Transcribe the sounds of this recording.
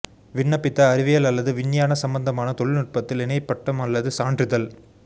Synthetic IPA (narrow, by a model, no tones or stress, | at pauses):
ʋɪɳːɐpːɪt̪ːɐːɾɪʋɪjɐlɐlːɐðɯʋɪɳːjaːnɐsɐmbɐnd̪ɐmaːnɐt̪ɔɭɪlnɪʈ̚pɐt̪ːɪlɛnɐɪpːɐʈːɐmɐlːɐðɯsaːɳdrɪðɐl